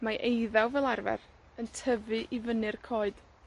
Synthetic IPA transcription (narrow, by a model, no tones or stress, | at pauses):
maʔejðawvɛlˠarvɛ̰ɾ | əntʰəvɨʔivənɨrkʰoːɨd̥